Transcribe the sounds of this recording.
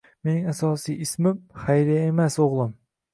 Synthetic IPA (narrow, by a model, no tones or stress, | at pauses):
menɪŋɛsɑːsijismɪmχæjɾɪjɛemɛsoʁlˠɨm